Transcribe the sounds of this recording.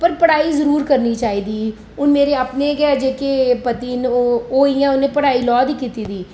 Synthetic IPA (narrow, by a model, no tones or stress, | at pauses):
pəɾpəɽaːiːzəɾuːɾkəɾniːt͡ʃaːiːd̪iː | ʊnmeːɾeəpneːkad͡ʒeːkepət̪iːnooːijãːʊnẽːpəɽaːiːlɔːd̪iːkiːt̪iːd̪iː